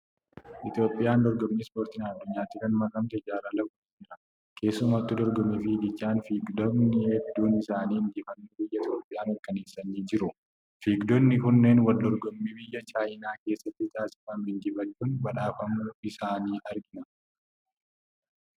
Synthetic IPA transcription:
ʔɪt̪jo̞ːpʼːɪjaːnd̪ɔɾɡɔmːiːspoːɾt̪ɪnɐd̪ːʊɲːaːt̪ːikɐnmɐkʼɐmt̪ɛɪd͡ʒaːɾaːlɐbuːd͡ʒɪɾɐ | kʰe̞ːsːʊmaɐt̪ːɪd̪ɔɾɡɔmːɛfɪd͡ʒɪt͡ʃʼːaːnfiːɡd̪ɔbnɪɛbd̪uːnɪsaːniːhɪnd͡ʒɪfɐnːubɪjːɐt̪ʰjoːpʼɪjaːnɐɾkːɐne̞ːsːɐnːiːd͡ʒɪɾʊ | fiːɡd̪ɔnːɪkʊnːe̞ːnwɐld̪ɔɾɡɔmːiːbɪjːɐt͡ʃaːjɪnaːke̞ːsːɐt̪ːɪt̪ʰaːsɪ̥faːmhɪnd͡ʒɪfɐːuːnbɐᶑaːfɐmːuɪsaːniːʔɐɾɡɪnɐ

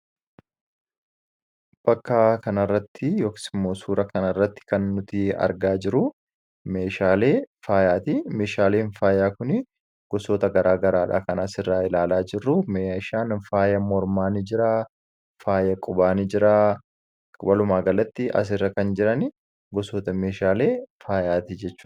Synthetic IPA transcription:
b̥ɐkːaːkɐnɐrːɐt̪ːɪjoːkɪ̥sɪmːoːsuːɾɐkɐnɐrːɐt̪ːɪ̥kɐnːʊt̪ɪɐ̰ɾɡaːd͡ʒɪɾʊ | me̞ːʃaːleːfaːjaːt̪imeːʃaːleːnfaːjaːkʊnɪ | ɡ̥ɔsoːt̪ɐɡɐɾaːɡɐɾaːᶑa̰ːkɐnɐsɪrːaːɪlaːlaːd͡ʒɪrːʊmeːʃaːnfaːjɐmɔɾmaːnɪd͡ʒɪɾa | faːjɐkʼʊbaːnɪd͡ʒɪɾaː | kʼʊbɐlʊmaːɡɐlɐt̪ːɪʔɐ̰s̬ɪrːɐkɐnd͡ʒɪɾɐnɪ | ɡɔsoːt̪ɐme̞ːʃaːle̞ːfaːjaːt̪ɪd͡ʒɛt͡ʃːu̥ː

